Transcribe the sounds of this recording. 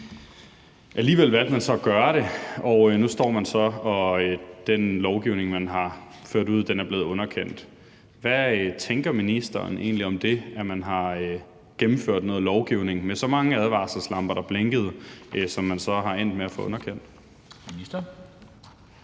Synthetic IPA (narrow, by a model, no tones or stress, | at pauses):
ʔæliːʋel̰ʋæl̰d̥̚mænsɒ̽ɡ̥ɶːɐɾ̥e̝ɒʊnusd̥ɒ̰ːmænsɒ̽ɒ̽ød̥enlɒʊɡ̥iʊne̝ŋmænɦɑ̈ | føɐ̰ɾ̥uð̞̰ˠd̥enæɐb̥le̝ːð̞̩ˠɔ̽nɐkʰen̰d̥ | ʋæt͡sʰeŋɡ̥ɐminisd̥ɐːn̩ʔe̝̰ːnliɒ̽md̥e̝æmænɦɑ̈ | ɡ̥emm̩føɐ̰d̥nɔ̽ːð̩ˠlɒʊɡ̥iʊ̰ne̝ŋmesɒ̽mɑ̈ŋəæð̞ˠʋɑ̈ːsəslɑ̈m̰b̥ɐɾ̥ɑ̈b̥leŋɡ̥əð̞̩ˠsɒ̽mːænsɒ̽ɦɑ̈en̰d̥̚meæfɔ̰̽ɔ̽nɐkʰen̰d̥ | isd̥ɐ